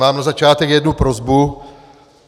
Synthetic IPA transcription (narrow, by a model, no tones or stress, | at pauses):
aːmnazat͡ʃaːt̪ɛkjɛdnupɾozbu